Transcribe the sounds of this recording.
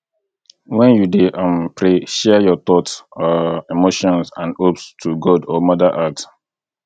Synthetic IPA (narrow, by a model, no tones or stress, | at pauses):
wɛ̃njudeʔãmpʰɹeʃɛjɔt̪ɔtɔimoʃɔ̃nsã̰nopstʰuɡɔdɔmɔdəʔat